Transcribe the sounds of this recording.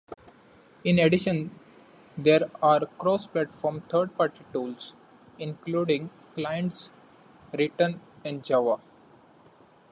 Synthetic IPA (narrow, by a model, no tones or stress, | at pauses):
ɪ̃neɖɪʃə̃n | d̪eːɾaːɾkɾoːsplɛʈfɔːɾmt̪ʰəːɾɖ̚paːɾʈiʈuːls | ɪ̃nkluːɖɪ̃ŋ | klaɪə̃ɳʈs | ɾɪʈənɛ̃ɳɖ̚d͡ʒaʋa